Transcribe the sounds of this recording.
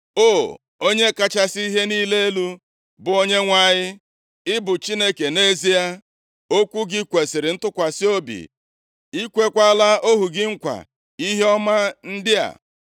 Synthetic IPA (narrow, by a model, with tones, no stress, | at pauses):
o˦˨ | o˦ɲe˦ka˦t͡ʃa˦si˦i˦ɦe˦niː˦le˦e˦lu˦ | bʊ˨o˦ɲe˦ŋʷa˨ɲɪ˦ | ɪ˦bʊ˨t͡ʃi˦ne˦ke˨ne˦zi˦a˦ | o˦kʷu˦ɡɪ˦kʷe˨sɪ˨ɾɪ˨n̩˦tʊ˦kʷa˨sɪ˦o˦bḭ˨ | i˦kʷe˦kʷa˦a˦la˦ʔo˦ɦu˨ɡɪ˦ŋ̩˦kʷa̰˨ | i˦ɦe˦ɔ˦ma˦n̩˦dɪ˦a̰˨